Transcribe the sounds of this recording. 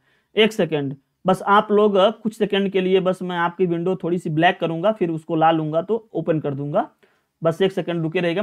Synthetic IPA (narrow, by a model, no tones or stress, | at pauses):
eːksɛkə̃ɳɖ | bɐsaːploːɡkʊt͡ʃʰsɛkə̃ɳɖkeliebɐsmɛ̃aːp̚kiʋɪ̃ɳɖot̪ʰoːɽisiblɛːkːɐɾũːŋɡafʰɪɾʊskolaːlũːŋɡat̪ooːpənkɐɾd̪ũːŋɡaː | bɐseːksɛkə̃ɳɖɾʊkeɾɐɦeːɡaː